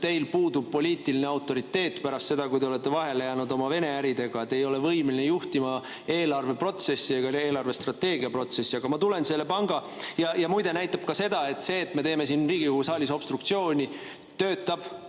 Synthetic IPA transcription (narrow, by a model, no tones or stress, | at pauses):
t̪e̞jlpuːd̪ub̥̚po̞lʲiːt̪iline̞ɑwt̪ːˑo̞ɾit̪ːe̞ːt̪ːˑpæɾɑst̪se̞d̪ɑkujd̪eole̞t̪ːe̞vɑɦe̞le̞jæːnud̪o̞mɑve̞ne̞æɾid̪e̞ɡ̥ɑet̪ːe̞jo̞le̞vɤjmelinejuht̪imɑ | e̞ːlɑrve̞pro̞t̪se̞sːieɡ̥ɑeːlɑrve̞st̪rɑt̪ːe̞ːɡiɑpro̞t̪se̞sːiɑɡ̥ɑmɑt̪ule̞nse̞lːe̞pɑŋɡ̥ɑ | jɑjɑmujd̪e̞næjt̪ːˑɑb̥̚kɑse̞d̪ɑe̞t̪ːse̞ːt̪ːme̞t̪e̞ːmes̬inriːɡ̥ijuhusɑːlʲiso̞b̥st̪ɾuk̚t̪sio̞ːnʲi | t̪ø̞ːt̪ːˑɑb̥